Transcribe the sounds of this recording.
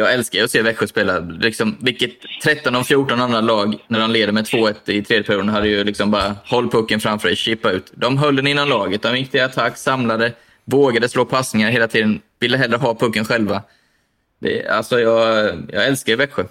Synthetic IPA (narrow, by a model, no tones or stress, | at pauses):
jɑːɡɛlskaɾjəɔseːvɛkɧəspeːlalɪksɔmvɪkːət̪ʰːɾɛt̪ːɔnɔfjuːʈɔnanɾalɑːɡnæɖɔnleːd̪əɾmɛt̪ʰvoːɛt̪ːɪt̪ʰɾeːd̪jəpʰæɾjuːd̪ənɦad̪ːəjɵlɪksɔmbɑːɾahɔlːpʰɵkːənfɾamfœːʂɛɕiːpaʉ̟ːt̪d̪ɔmɦœlːənɪnːanlɑːɡət̪̚d̪ɔmjɪk̚ːt̪ʰɪat̪ʰakːsamlad̪ə | voːɡad̪əsloːpʰasnɪŋaɾɦeːlat̪ʰiːd̪ənvɪlːəɦɛlːɾəɦɑːpʰɵkːənɧɛlva | d̪ɛ̰a̰lsɔjɑːɡjɑ̰ːɡɛlskavɛkɧʊ